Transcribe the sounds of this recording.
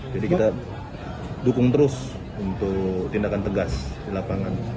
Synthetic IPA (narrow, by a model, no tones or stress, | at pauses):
d͡ʒadikit̪a | dukʊŋt̪əɾʊs | unt̪ʊkt̪indakant̪əɡasdilapaŋan